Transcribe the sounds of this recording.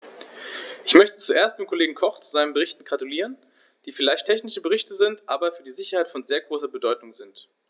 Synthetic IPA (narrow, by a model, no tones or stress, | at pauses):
ʔɪçmœçtə̥t͡suʔeːɐstd̥eːmkʰoleːɡŋ̩kʰɔχt͡suzaɪnənbəʁɪçtn̩ɡʁatuliːʁ̞ən | d̥iːfɪlaɪçtʰːɛçnɪʃəbəʁ̞ɪçtəzɪntʔaːbɐfyːɐdiːzɪçɐhaɪtfɔnzeːɐɡʁoːsɐbədɔʏtʊŋzɪnt